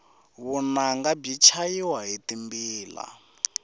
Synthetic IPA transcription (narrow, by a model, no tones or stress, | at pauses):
βunaŋɡab͡ʐit͡ʃʰajiwaɦitimbiːla̰